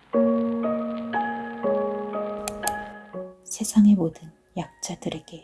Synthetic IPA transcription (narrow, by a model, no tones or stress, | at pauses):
sʰe̞sʰaŋemodɯn | jak̚t͡ɕ͈adɯɾe̞ɡe̞